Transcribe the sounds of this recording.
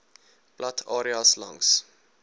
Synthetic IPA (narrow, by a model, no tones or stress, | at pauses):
b̥latʰɑːɾiɑslɐ̰ŋs